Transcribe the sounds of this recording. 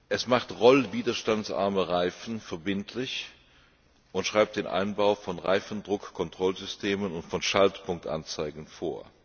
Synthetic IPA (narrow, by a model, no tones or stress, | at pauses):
ʔɛsmaχtʁɔlviːdɐʃtantt͡sʔa̰ɐməʁaɪfn̩fɛɐbɪntʰlɪç | ʔʊntʃʁ̥aɪp̚td̥eːnʔa̰ɪnbaʊfɔnʁa̰ɪfn̩dʁʊkkʰːɔntʁ̥ɔlzʏstʰeːmənʊntfɔnʃaltpʰʊŋk̚tʔa̰nt͡saɪɡŋ̩foːɐ